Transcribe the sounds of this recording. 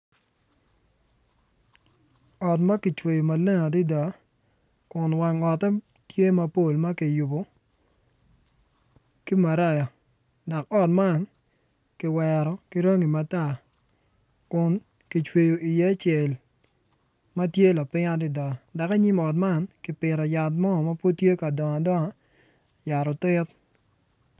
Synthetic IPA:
ɔ˨tma˦ki˨t͡ʃwe˨jo˨ma˨le˦ŋa˨di˦dɔ˨˦ | kʊ˨nwa˨ŋɔ˨tɛ˦ | tje˦ma˨po˦˨lma˦ki˨ju˨bo˨ | ki˦ma˨ɾa˦jɔ˨ | dɔ˨kɔ˦t̚ma˦n | kɪ˨wɛ˨ɾɔ˨ki˦ɾo˦ŋi˨ma˨ta˦˨ | kʊ˨n | ki˨t͡ʃwe˨jo˨i˨je˦a˦t͡ʃɛ˨l | ma˦tje˦la˨pɪ˦ŋa˦dɪ˦˨dɔ˨ŋa˨da˨ke˦ɲi˦mɔ˨t̬̚ma˦˨nkɪ˨pɪ˨ɾɔ˨ja˨t̬mɔ˦˨ma˦po˦tje˦ka˨dɔ˨ŋa˨dɔ˦ŋa˨˦ | ja˨ɾɔ˨tɪ˦t̚

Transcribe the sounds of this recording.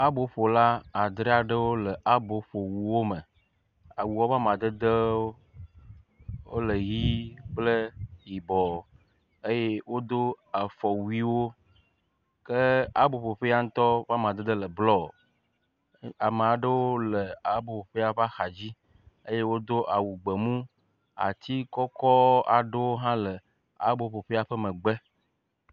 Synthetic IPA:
a˦bo˨ɸo˨la˦a˨d̪ɾe˦a˨ɖə˦wo˦lə˨ʔa˦bo˨ɸo˨wu˨wo˦mə˨ | a˨wu˨wo˦va˦mã˨d̪ə˦d̪ə˦ | wo̰˦lə˨ɣi˦k͡plə˦ji˨bɔ˨ | e˦je˦wo˦d̪o˦a˨fɔ˨wu˦i˦wo˦ | kə˦a˦bo˨ɸo˨ɸe˦a˦ŋ̩˦t̪ɔ˦va˦mã˨d̪e˦d̪e˦lə˨blɔ˦˨ | a˨me˨a˨ɖə˦wo˦le˨a˨bo˨ɸo˨ɸe˦a˦ɸa˦xa˨d͡ʑi˦ | e˦je˦wo˦d̪o˦ʔa˨wu˨ɡ͡be˨mũ˦ | a̰˨t̪i˦kɔ˦kɔ˦a˨ɖe˦wo˦ɦã˦le˨ | a̰˦bo˨ɸo˨ɸe˦a˨ɸə˦mẽ˨ɡ͡be˦

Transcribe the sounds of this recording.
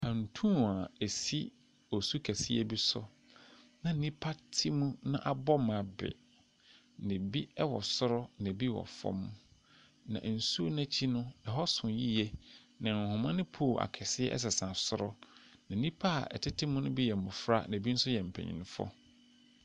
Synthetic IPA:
ã˨n̩˨tʰũ˦˨a˨e˨si˦ | ɔ˨su˦kʰæ˨si˦ɛ˦bi˦sʊ̰˦ | nã˨˦nĩ˦pʰa˦tʰɪ˦mũ˦nã̰˦ʔa˨bɔ˦m˨ã˨bɪ̰˨ | nɪ̃˨bi˦ɛ˦wɔ˨sʊ˦ɾɔ˦nã˨bi˦wɔ̰˨fɔ̰˦m̃˦ | nã̰˨n̩˨su˦o˦næ̃˦t͡ɕʰi˦nʊ̃˦ɛ˨ɦɔ˦sʊ̃˨ji˦jɛ˦ | nã˨ŋ˨hʊ̃˨mã˦nɪ̃˦pʰo˦˨ʔa̰˨kʰɛ˨sɪ˦ɛ̰˦ʔɛ̰˦s̬ɛ˨sã˨sʊ˦ɾɔ˦nã˨˦nĩ˦pʰa̰˦˨ɛ̰˨tʰɪ˦tʰɪ˦mʊ̃˦nʊ̃˦bi˦jɛ˨mʊ̃˨fɾa̰˦nã˨bi˦n̩˦sʊ˦jɛ˨m̩˨pʰæ̰˨ɲḭ̃˨nʊ̃˦fɔ̰˦

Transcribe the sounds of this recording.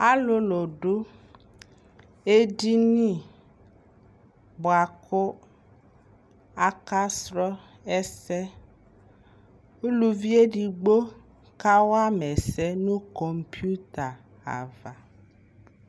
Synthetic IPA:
a˦lo˦lo˨ɖo˦ | e˦di˦nĩ˦ | bo˨a˨kʰo˦ | a˨ka˦sɾɔ˦ | ɛ˦sɛ˦ | u˦lu˦vi˦e˦ɖi˨ɡ͡bo˦ | ka˦wa˦mɛ̃˨sɛ˦nũ˦kɔ˨mpi˦u˦t̪a˨ | a̰˨va˨

